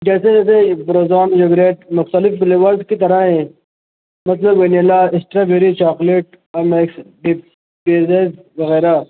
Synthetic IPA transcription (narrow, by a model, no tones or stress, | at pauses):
d͡ʒɛːseɛːsebɾoːzaːnd͡ʒoɡɾeːʈmʊxt̪əlɪfɖɪleːʋɐɾzkit̪ɐɾaɦɛ̃ː | mɐt̪lɐbwenelaɪsʈɾaːbeɾit͡ʃaːkleːʈ̚ | ɐmeːksɖip | beːzeːz | ʋɐɣɛːɾa